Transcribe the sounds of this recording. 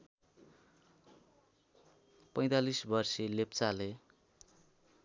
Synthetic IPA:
pʌj̃t̪alisbʌrsilept͡sale

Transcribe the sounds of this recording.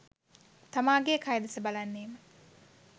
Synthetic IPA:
t̪amaːɡekʰajed̪ɐsəbalanːeːmə

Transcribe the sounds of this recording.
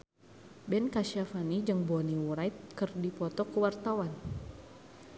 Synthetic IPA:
bɛnkaʃiafanid͡ʒɨŋbɔniwuɾajt̪̚kɨrdipɔt̪ɔkəwart̪awan

